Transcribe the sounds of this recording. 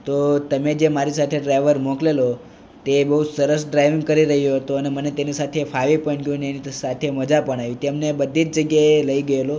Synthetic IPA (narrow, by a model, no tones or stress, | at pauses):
t̪ot̪əmed͡ʒemaɾisat̪ʰeɖɾajʋəɾmɔ̃klelo | t̪ebəɦusəɾəsɖɾajʋĩŋɡkəɾiɾəɦijoɦət̪uənemənet̪enisat̪ʰefʰaʋipəɳɡjũneenisat̪ʰeməd͡ʒapəɳ̃aʋit̪emnebəd̪ʱid͡ʒd͡ʒəɡjaeləiɡəelo